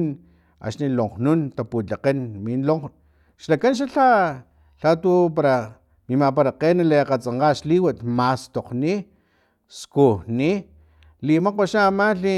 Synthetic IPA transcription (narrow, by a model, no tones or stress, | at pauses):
n | a̰ʃniloŋqnunt̪aput͡ɬaqenminlo | ʃlakanʃ̬aɬa | ɬat̪up̬aɾa | mimapaɾaqenaleqat͡saɴqaʃliwat̪mast̪oqni | skuni | limaqoʃaːmaɬi